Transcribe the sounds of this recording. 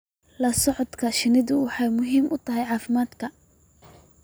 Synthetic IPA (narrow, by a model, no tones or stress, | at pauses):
lɐsɔʕɔd̪kʰɐʃɪnɪðʊwɑħɑjmʊɦiːmʔʊt̪ʰɐɦɛjʕɑːfɪmaːd̪kʰɐ